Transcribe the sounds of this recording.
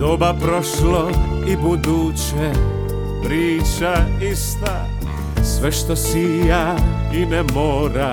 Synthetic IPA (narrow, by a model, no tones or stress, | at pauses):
d̪obapɾoʃlo | ibud̪ut͡ʃ | e | pɾiːt͡ʃaist̪a | sʋɛʃt̪osija | inɛmoːɾa